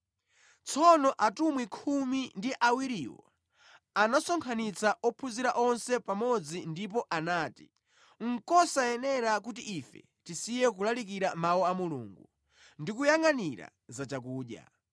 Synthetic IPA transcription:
t͡sʰɔnɔʔatumwikʰumindiʔawiɾiwɔ̰ | anasɔŋkʰanit͡saʔɔpʰuziɾaʔɔnsɛpamɔd͡zindip̬ɔʔanaːti̥ | ŋ̩kɔsaɛnɛɾak̬utiʔifɛ̰ | tisijɛk̬ulalik̬iɾamawɔamulṵŋɡu | ndikujaŋaniɾa̰ | zat͡ʃakuːɗja̰

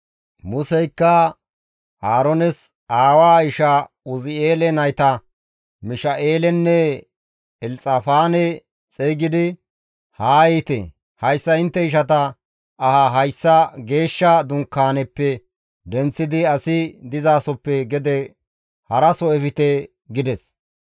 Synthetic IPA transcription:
mʊsɛjkːɐ | aːɾɔnɛs | aːwaːɪʃɐ | ʊzɪeːlɛnɐjt̪ɐ | mɪʃɐʔeːlɛnːɛ | ɛlt͡sʼɐfaːnɛ | t͡sʼɛjɡɪd̪ɪ | haːjɛt̪ɛ̰ | hɐjsːɐɪnt̪ːɛɪʃ̬ɐt̪̬ɐ | ɐhɐɦɐjsːɐɡe̞ːʃːɐd̪ʊŋkːaːnɛpːɛ | d̪ɛnt͡sːɪd̪ɪɐsɪd̪ɪzaːsɔpːɛɡɛd̪ɛ | hɐɾɐsɔɛfɪt̪ɛ | ɡɪd̪ɛs

